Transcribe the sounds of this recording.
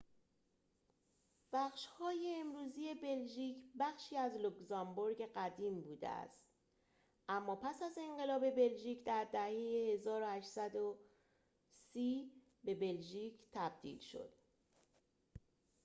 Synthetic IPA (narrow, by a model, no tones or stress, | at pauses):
b̥æχʃhɒːjeːmɾuːziːe̞be̞lʒiːcʰbæxʃiːæzlokzɒmboɾɡeɢæd̪iːmbuːd̪ḛæ̰st̪ | ʔæmːɒːpʰæsæze̞ɴɢe̞lɒːbe̞be̞lʒiːcʰd̪æɾd̪æhejehe̞zɒːɾo̞hæʃt̪sæd̪o | siː | be̞be̞lʒiːcʰt̪ʰæb̚d̪̥ḭːlʃo̞̰d̪̥